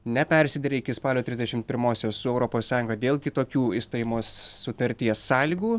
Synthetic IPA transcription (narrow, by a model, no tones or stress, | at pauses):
nʲɛpʲɛɾʲsʲɪd̪ʲɛɾʲɛɪkʲɪspɑːlʲoːt̪ʲɾʲɪzʲd̪ʲɛʃʲɪmt̪̚pʲɪɾmoːsʲoːssʊɛʊɾɔpoːssɑːjʊŋɡɐd̪ʲeːlˠkʲɪt̪oːkʲuːɪst̪ojɪmoːsːʊt̪ɐɾʲt̪ʲiɛsːɑːlʲiɡuː